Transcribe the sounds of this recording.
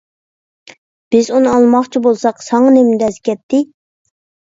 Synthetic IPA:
b̥ɪzunɨɑlˠmɑχt͡ʃʰibolˠsɑqsɑŋɑnemɪd̪ɛskʲʰɛt̪ʰːɪ

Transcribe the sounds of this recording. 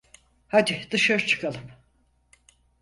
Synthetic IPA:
had̪id̪ɯʃaɾɯt͡ʃʰɯ̥kʰalˠɯm

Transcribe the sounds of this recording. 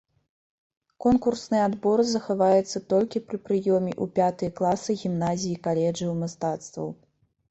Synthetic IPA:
kɔnkursnɨjɛad̪bɔɾɨzɐxavajɛt̪sːɐt̪ɔlʲkʲipɾɨpɾɨjɔmʲiʔupʲat̪ɨjɐklˠasɨɣʲimnazʲijikalʲɛd͡ʐiwmast̪at̪st̪vɐ̰w

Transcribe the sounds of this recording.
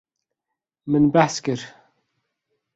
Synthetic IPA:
mənbaskəɾ

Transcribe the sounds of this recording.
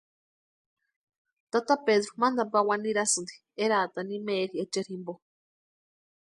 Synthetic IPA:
t̪at̪apeðɾomãnd̪apawaniɾasɨnd̪i̥ | eɾat̪animẽɾiet͡ʃeɾimbo

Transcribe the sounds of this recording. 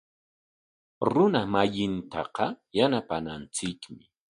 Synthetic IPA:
ɾʊnamajɪnt̪ɑqɑjanapanant͡sɪkmɪ

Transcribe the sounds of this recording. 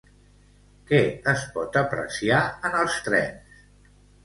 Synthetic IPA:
kɛəspɔt̪əpɾə̰siaənəlˠst̪ɾɛ̰ns

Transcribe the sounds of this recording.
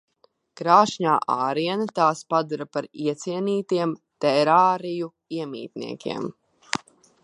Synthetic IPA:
kɾaːʃɲa̰ːʔaːɾiɛnat̪aːspad̪uɾapaɾiɛt̪siɛniːt̪iɛmt̪ɛɾaːɾiju | iɛmḭːt̪nḭɛkʲḭɛm

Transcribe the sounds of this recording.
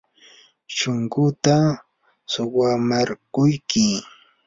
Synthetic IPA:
ʃoŋɡʊt̪a | sʊwamaɾkʊjkɪ

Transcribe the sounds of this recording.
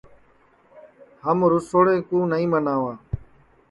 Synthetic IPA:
həmɾʊsoːɽẽːkũːnəĩːmənaːʋaː

